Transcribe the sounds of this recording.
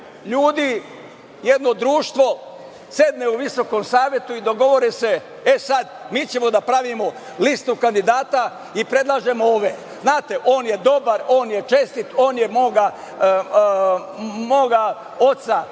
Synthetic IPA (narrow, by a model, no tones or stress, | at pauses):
ʎuːd̪i | jed̪no̞d̪ɾuːʃt̪ʋo̞ | se̞d̪neuʋiso̞ko̞msaːʋje̞t̪uid̪o̞ɡo̞ʋo̞ɾese̞ | esad̪miːt͡ɕe̞mo̞d̪apɾaʋimo̞ | list̪ukand̪id̪aːt̪a | ipɾe̞d̪lˠaːʒe̞mooːʋe | znaːt̪e̞ʔo̞ːnje̞d̪o̞baɾoːnje̞t͡ʃe̞st̪it̪o̞ːnje̞moːɡa | moːɡa | o̞t̪sa